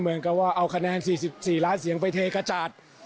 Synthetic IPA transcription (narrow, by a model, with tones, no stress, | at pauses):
mɯ˩˦ənka˧˩waː˧˩ʔa˧˩wkʰa˧nɛː˧˨nsiː˨˩si˨˩p̚siː˨˩laː˦˥nsi˨˩˦əŋpa˧˩jt̪ʰeː˧ka˧t͡ɕaː˨˩t̪̚